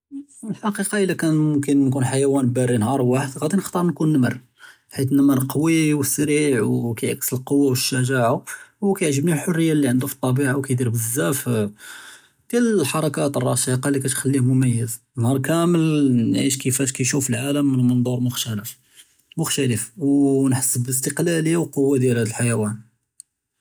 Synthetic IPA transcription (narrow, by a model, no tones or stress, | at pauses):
lħɑqiqɑʔəlːækænmʊmkənːkunħajæwænbæɾinhɑɾˤwaħəd̪ɣæd̪inəxt̪ˤəɾˤnkunːəmər | ħit̪nəməɾqwiwəsːɾiʕwkæjʕaksəlqowːawəʃːæʒaʕawkæjʕʒəbnilħorːəjːalːiʕənd̪ufi̥t̪ˤːɑbiʕawkæjd̪iɾbəzːæf | d̪̥jællħɑɾˤɑkæt̪ərˤːɑʃiqɑlikæt̪xælːimʊmæjːəz | nhɑɾˤkæməlnʕiʃkəfæʃkæjʃufəlʕaləmːənmənd̪ˤuɾˤmʊxt̪æləf | mʊxt̪æləfwnħəsːəbləs̬t̪əqlæləjːawqowːad̪jælhæd̪əlħajæwæn